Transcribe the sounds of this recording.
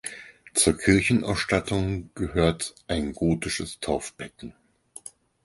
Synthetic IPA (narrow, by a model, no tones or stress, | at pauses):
t͡suːɐkʰɪɐçn̩ʔa̰ʊsʃtatʰʊŋɡ̥əhøːɐtʔaɪnɡoːtɪʃəstʰaʊfb̥ɛtn̩